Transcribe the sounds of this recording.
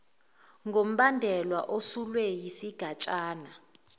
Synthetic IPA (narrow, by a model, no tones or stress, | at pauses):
ŋɡʱom̩ɓandʱɛlwaʔosulwɛjisiɡ̥ʱat͡ʃʼaːna